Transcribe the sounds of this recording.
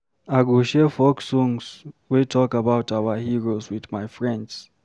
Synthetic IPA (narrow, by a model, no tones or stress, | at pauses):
aɡoʃefɔksɔ̃ŋswetʰɔkabaʊtawahiɹoswiðmajfɹɛ̃nds